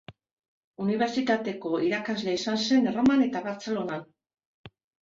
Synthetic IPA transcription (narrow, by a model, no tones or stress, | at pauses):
uniβe̞ɾt͡sit̪at̪e̞ko̞iɾakazle̞isanse̞nromane̞t̪aβaɾt͡se̞lo̞nan